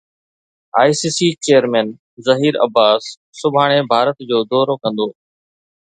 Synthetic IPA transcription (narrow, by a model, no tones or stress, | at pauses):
aːisiːsiːt͡ɕeːjəɾmɛ̃ːn | zɐɦiːɾɐ̰baːsː | ʊbʱaːɽ̃ebʱaːɾət̪d͡ʑoːd̪ɔːɾokɐ̃nd̪oː